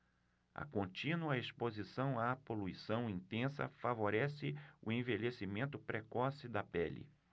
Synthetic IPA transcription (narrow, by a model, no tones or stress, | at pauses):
ɐ̰kõnt͡ʃĩnuɐespozisɐ̃w̃apoluisɐ̃w̃ĩnt̪ẽsɐ̰favoɾɛsɪʊẽveʎesimẽnt̪ʊpɾekɔsɪd̪ɐpɛlɪ̰